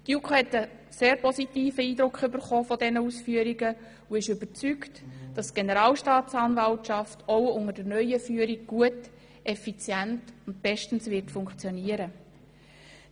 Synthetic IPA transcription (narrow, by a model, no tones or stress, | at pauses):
tjukχohɛtə | seːɾpɔsitiːfəiːd̪ɾʊkχʏbəɾχoːfɔdɛnəusfyəɾiɡə | uɪʃʏbəɾt͡syktd̥ɑsɡ̥enəɾɑːlʃtɑːtt͡sɑːnvɑltʃɑftʰowʊŋəd̥əɾnœʏəfyːəɾiɡ̚ɡ̥uət | ʔɛfit͡sjæntʊnt̚b̥ɛʃtn̩sʋɪrtfʊŋkχt͡sjɔniəɾə